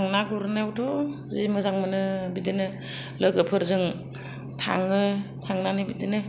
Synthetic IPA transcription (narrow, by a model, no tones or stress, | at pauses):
ŋnakuɾɯnɯawtʰɔzimɯzaŋmɯnɯbidɯnɯ | lɯɡɯpʰɯɾzɯŋ | tʰa̰ŋɯtʰaŋnanɯbidɯnɯ